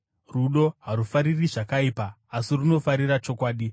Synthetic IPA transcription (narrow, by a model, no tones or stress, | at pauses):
ruɗo̞ɦaɾufaɾiriʐakaiːpaː | siruno̞faɾiɾat͡ʃo̞kwaːɗi